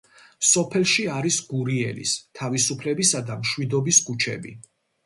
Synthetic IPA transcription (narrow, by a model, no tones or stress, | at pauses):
sɔpʰɛlˠʃiaɾisɡ̥uɾiɛlḭst̪ʰavisupʰlɛbisad̪amʃwid̪ɔbisɡut͡ʃʰɛ̰bḭ